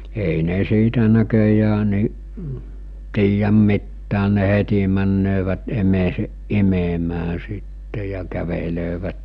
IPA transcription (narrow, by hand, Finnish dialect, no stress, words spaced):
ei ne siːtæ nækøjæː niʔ tiːjæm mitːæːn̆ ne heti mænːøːʋæt emeːseʔ ʔimemæː sitːe jɑ kæʋeløːʋæt